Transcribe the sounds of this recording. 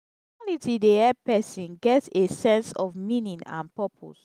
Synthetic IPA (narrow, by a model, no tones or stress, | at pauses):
mɔnitideɛpɛsĩnɡɛtsesɛ̃nsɔvmĩnĩnã̰npɜpʰo̰s